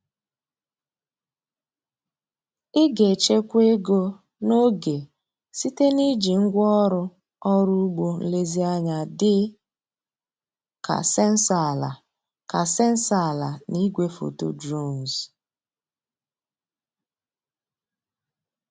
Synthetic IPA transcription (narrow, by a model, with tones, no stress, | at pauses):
ɪ˦ɡe˨t͡ʃe˦kʷe˦ɡo˦ | no˦ɡe˨ | si˦te˦ni˦d͡ʒi˨ŋ̩˦ɡʷɔ˦ɾʊ˦ | ɔ˦ɾu˦u˦ɡ͡bo˨n̩˦le˦zi˦a˦ɲa˨dɪ˦ | ka̰˨se˦n̩˦sa˨la̰˨ | ka˨se˦n̩˦sa˨la˨ni˦ɡʷe˦fo̰˨to̰˨dɾo˦˨n˨z